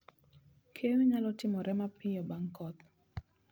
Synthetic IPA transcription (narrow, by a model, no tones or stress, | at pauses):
kʰeweɲalɔtɪmɔɾʔɛmapɪjɔbaŋkɔt̪̚